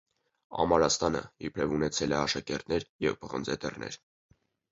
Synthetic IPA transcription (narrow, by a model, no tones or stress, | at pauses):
ɑ̰mɑɾɑst̪ɑnə̰jɛpʰɾɛvunɛt͡sʰɛlɛɑʃɑkɛɾt̪nɛɾjɛvpəʁənd͡zɛt̪ɛrnɛ̰ɾ